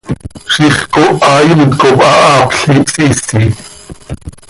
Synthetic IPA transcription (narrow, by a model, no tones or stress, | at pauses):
ʃiχkoʔɑːjinkopʼɑʔɑːpɬipsisi